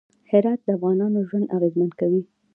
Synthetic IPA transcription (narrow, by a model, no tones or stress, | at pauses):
hɪɾɑt̪̚d̪əafɣɑnɑnoʒwand̪aɣezmankawi